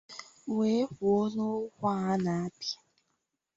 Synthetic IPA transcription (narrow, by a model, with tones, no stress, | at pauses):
we˦kʷu˨o˦nʊ˦kʷa˦˨a˦na˨a˦pjḁ˦